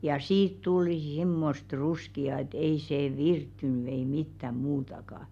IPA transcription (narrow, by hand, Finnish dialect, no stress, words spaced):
jɑ siːt tulĭ s̞imːost ruskiɑ et ei seː ʋirtːyny ei mitːæm̆ muːtɑkɑ